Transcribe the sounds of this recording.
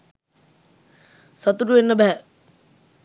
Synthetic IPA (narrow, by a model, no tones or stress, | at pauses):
sat̪uɾuʋenːəbæɦæ